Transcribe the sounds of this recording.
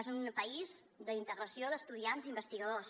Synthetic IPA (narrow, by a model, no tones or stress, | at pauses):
ezumpəiz | d̪əint̪əɣɾəsioðəst̪uðianzimbəst̪iɣəðos